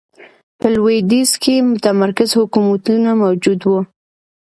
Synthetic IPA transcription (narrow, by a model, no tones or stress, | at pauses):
pəlwed̪izkʰemʊt̪amaɾkɪzhʊkumat̪unamawd͡ʒud̪wu